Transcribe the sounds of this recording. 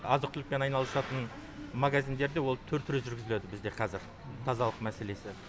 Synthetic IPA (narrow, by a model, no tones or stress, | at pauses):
ɑzəq̚t̪ʏlɪk̚pe̞nɑjnɑlˠəsɑt̪ən | maɡazijnd̪e̞ɾd̪e̞wo̞lˠt̪ʰɵɾt̪ʰɪɾɪʒʏɾɡʲɪzɪled̪ɪbɪzd̪e̞qʰɑzɪɾ | t̪ʰɑzɑlˠəqmæse̞le̞sɪ